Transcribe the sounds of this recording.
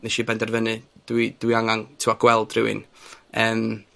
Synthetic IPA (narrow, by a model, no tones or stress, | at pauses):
nɛʃibɛndɛrvənɨd̥wid̥wiaŋaŋtʰɪwaɡ̥wɛlˠd̥rɪwɨ̰nəːm